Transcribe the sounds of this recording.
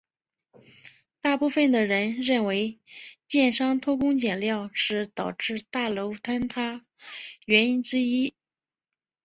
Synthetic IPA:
t̪a˥˧pu˥˩fə˥˩nd̪ə˩ɻə˧˥nɻə˥˩nwe˧˥ɪt͡ɕjɛ˥˩nʂɑ˥ŋt̪ʰo˥ʊkʊ˥ŋt͡ɕjɛ˨˩nljɑ˥˧ʊʂɻ̩˥˩t̪ɑ˨˩ʊʈ͡ʂɻ̩˥˧t̪a˥˩lo˧˥ʊt̪ʰa˥nt̪ʰa˥ | ɥɛ˧˥ni˥nʈ͡ʂɻ̩˥i˥

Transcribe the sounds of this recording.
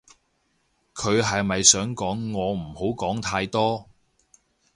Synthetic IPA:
kʰɵ˨˧ɥɦɐ˨jmɐ˨jsœː˨˥ŋkɔː˨˥ŋːɔː˨˧m̩˨˩ho˨˥wkɔː˨˥ŋt̪ʰaː˧jt̪ɔː˥

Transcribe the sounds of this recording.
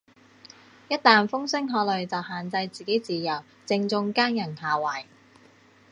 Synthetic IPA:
jɐ˥t̚t̪aː˨˩nfʊ˥ŋsɪ˥ŋɦɔː˨˥lɵ˨˩ɥt͡sɐ˨whaː˨˩nt͡sɐ˧jt͡siː˨˩ke˨˥jt͡siː˨jɐ˨˩w | t͡sɪ˧ŋt͡sʊ˧ŋkaː˥ŋjɐ˨˩nhaː˨wɐː˨˩j

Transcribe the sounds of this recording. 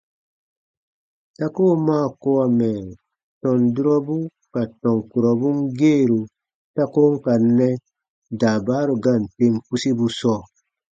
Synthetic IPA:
ta˦koː˦˨maː˦˨ko˦a˨mɛ˨ | tɔ̃˨ndu˦ɾɔ˦bu˦ | ka˨tɔ̃˨ŋku˨ɾɔ˨bu˦ŋɡeː˦˨ɾu˨ | ta˦ko˦ŋ˦ka˨nːɛ˦ | daː˨baː˦ɾu˨ɡa˦˨n˨te˦ŋku˦si˦bu˦sɔː˦˨

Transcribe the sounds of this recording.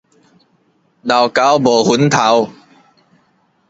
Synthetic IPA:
na˨˩wka˨˥wbɔː˨˩hu˨˦nt̪ʰa˨˦w

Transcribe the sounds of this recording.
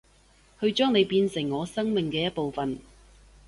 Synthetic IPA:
hɵ˧ɥt͡ʃœː˥ŋne˨˧jpiː˧nsɪ˨˩ŋːɔː˨˧sɐ˥ŋmɪ˨ŋkɛː˧jɐ˥t̚po˨wfɐ˨n

